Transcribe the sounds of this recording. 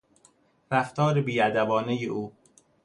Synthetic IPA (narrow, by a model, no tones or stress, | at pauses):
ɾæft̪ɒːɾebiːæd̪æbɒːnejeʔuː